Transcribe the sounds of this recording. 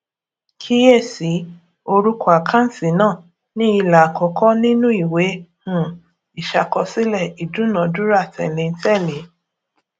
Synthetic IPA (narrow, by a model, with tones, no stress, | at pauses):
kʰi˦je˦˨si˨˦ | o˧ɾu˦ku˦a˨kʰã˦n̩˦si˨nãː˦˨ | nĩ˦i˧la˨kɔ˧kʰɔ˦nĩ˦nũ˦i˦˨we˨˦hũ˦˨ | i˨ʃa˧kɔ˧si˦lɛ˦˨i˨dũ˨˦nã˨˦du˦ɾa˦˨tɛ̰˨lẽ˧n̩˦tɛ˦˨le˨˦